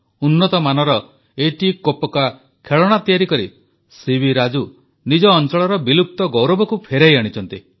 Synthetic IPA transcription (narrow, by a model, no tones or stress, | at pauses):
unːɔt̪ɔmanɔɾɔ | eʈikopɔka | kʰeɭɔɽ̃at̪ijaɾikɔɾi | sibʱiɾad͡ʒu | nid͡ʒɔːnt͡ʃɔɭɔɾɔbilup̚t̪ɔɡɔwɾɔbɔkupʰeɾajaɽ̃it͡ʃʰɔnt̪i